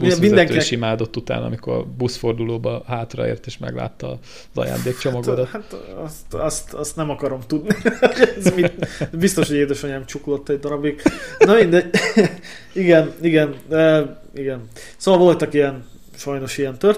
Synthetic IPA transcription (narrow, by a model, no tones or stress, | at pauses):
bmind̪ɛŋk̪iiːʃimaːd̪o̞t̪ːut̪a̰ːnɒ̰miko̞̰rbusfo̞rd̪uloːbɒɦaːt̪rɒ̰ḛːrt̪eːʃmɛ̰ɡla̰ːt̪ːɒ | zɒ̰ja̰ːnd̪eːkt͡ʃomɒɡ̪od̪that̪ɒst̪ɒst̪ɒst̪nɛmɒkɒɾo̞mt̪ud̪nioɟɛzmit̪bist̪o̞ʃho̞ɟeːd̪ɛʃoɲɛmt͡ʃuklo̞t̪ːɛɟd̪ɒɾɒbiknɒmind̪ɛɟ | iɡɛniɡɛnɛ | iɡɛn | soːʋɒlvo̞lt̪ɒkijɛn | ʃɒjno̞ʃijɛnt̪ør